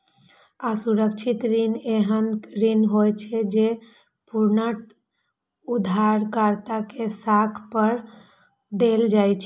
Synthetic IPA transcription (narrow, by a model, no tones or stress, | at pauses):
asuɾəkt͡ʃʰit̪ɾineɦənɾinɦojt͡ʃʰɛd͡ʒe | puɾnəʈ | ud̪ʱaɾkaɾt̪akesakʰpəɾ | d̪eld͡ʒajt͡ʃʰɛ̥